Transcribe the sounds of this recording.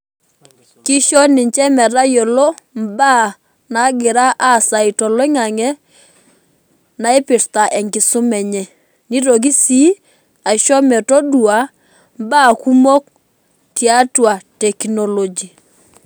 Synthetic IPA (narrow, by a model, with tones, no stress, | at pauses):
kɪ˦ʃɔ˦nɪ˨ɲt͡ʃɛ˦mɛ˨ɾa˦jɔ˨lɔ˦mba˦ | na˨˦ɡɪ˨ɾa˦ʔa˦˨sa˨ɪ˨tɔ˨lɔ˦ɪ˦ŋa˨ŋɛ˦ | na˨ɪ˦pɪ˨ɾta˨ʔɛ˨ŋɡɪ˨sʊ˦mɛ˨ɲɛ˨ | ni˦ɾɔ˨k̬i˦si˦ | a˨ʃɔ˦mɛ˨tɔ˦du˨a˨ | mba˦˨ku˦mɔ˦k̚ | tja˦twa˨tɛ˨knɔ˨lo˨d͡ʒi˨